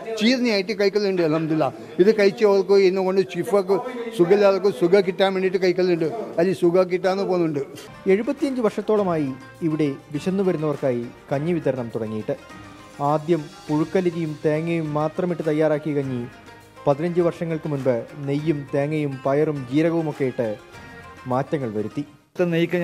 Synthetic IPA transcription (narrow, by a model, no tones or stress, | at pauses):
t͡ɕiːrnijaːjiʈːɨkɐjkːɐlːuɳɖɨnɐmd̪ilːɐ | iðɨkɐjt͡ɕːɨɐʋɐrkɨenːuko̞ɳɖɨt͡ɕifɐkːɨsuɡɐlːaːðɐkːɨsuɡɐkiʈːaːnmeɳːɖiʈ̬ːɨkɐjkːɐlːɐuɳɖɨɐlːisuɡɐk̬ːiʈ̬ːaːnːɨpoːnːuɳɖɨ | e̞ɻubɐt̪ːijɐɲd͡ʑɨʋɐrʂɐt̪ːo̞ːɭɐmaːjiː | ʋiɽe̞ʋiɕɐnːuʋɐɾunːɐʋɐrkaːjikɐɲːɨʋit̪ɐɾɐɳɐmt̪uɽɐŋːijiʈːɨ | aːd̪jɐmpuɻukːɐliðijumt̪eːŋːɐjumːaːt̪rɐmiʈːɨt̪ɐjːaːɾaːkːikɐɲːi | pɐðinɐɲd͡ʑɨʋɐrʂɐŋːɐɭkɨmunbɨnejːumt̪eːŋːɐjumpɐjɐrumd͡ʑiːɾɐɣɐʋumo̞kːe̞jiʈːɨ | maːtːɐŋːɐɭʋɐɾut̪ːi | t̪ːɐnejikʲːɐ